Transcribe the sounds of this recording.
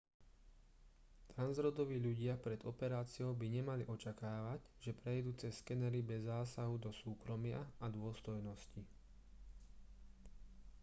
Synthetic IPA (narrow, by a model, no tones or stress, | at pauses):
t̪ɾanzɾɔd̪ɔʋiːʎuɟɪapɾɛd̪ɔpɛɾaːt͡sɪɔʊbiɲɛmaliʔɔt͡ʃakaːʋaɟ | ʒɛpɾɛjd̪uːt͡sɛskɛnɛɾibɛzːaːsaɦud̪ɔsuːkɾɔmɪa̰ad̪ʊɔst̪ɔjnɔsci